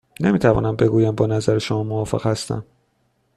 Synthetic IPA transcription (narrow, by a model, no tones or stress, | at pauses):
nemiːt̪ʰævɒ̰ːnæmbe̞ɡuːjæmbɒːnæzæɾeʃomɒːmovɒːfḛɣ̥hæst̪æ̰m